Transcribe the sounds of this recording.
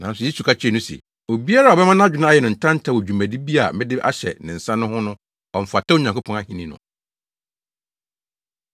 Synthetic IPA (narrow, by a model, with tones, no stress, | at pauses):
nã˨n̩˦sʊ˨jɛ˦su˨kʰa˦t͡ɕʰɛ˦˨nʊ̃˦sɛ̰˨ | o˨bi˦a˦ɾa˨ɔ˨bɛ˦mã˦ñ˦d͡ʑᶣɪ˦nʊ̃˦a˦jɛ˨nʊ̃˨n̩˨tʰã˦n̩˦tʰa˦˨wo˨d͡ʑᶣu˨mæ̃˨di˦bi˦a˨mɪ̃˦dɪ˦ʔa̰˦ɕɛ̰˨nɪ̃˨n̩˨sã˦nʊ̃˦hʊ̃˦nʊ̃˦ | ɔ˨m̩˨fa˨tʰa˦o˦ɲã˨ŋkʰo˦pʰɔ̃˦na˦hĩ˨nĩ˦nʊ̰̃˨